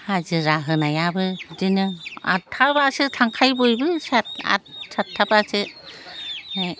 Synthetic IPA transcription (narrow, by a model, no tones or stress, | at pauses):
hazɯɾaɦɯnajabɯdinɯa̰tʰːabasɯtʰaŋkʰajbɯjbɯsat̚a̰t̚satʰːabasɯ